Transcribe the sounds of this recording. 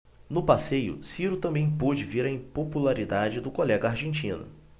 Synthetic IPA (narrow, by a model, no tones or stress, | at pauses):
nʊpasejʊ̰siɾʊt̪ɐ̃mbẽj̃pod͡ʒɪviɾɐĩpopulaɾid̪ad͡ʒɪd̪ʊkolɛɡɐaɾʒẽnt͡ʃĩnʊ̰